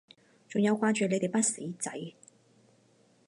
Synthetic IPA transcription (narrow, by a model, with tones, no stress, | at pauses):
t͡sʊ˨ŋjɐ˨˧wkʷaː˧˥t͡ʃyː˨le˨˧jt̪e˨jpɐ˥t̚siː˨˥t͡sɐ̰˨˥j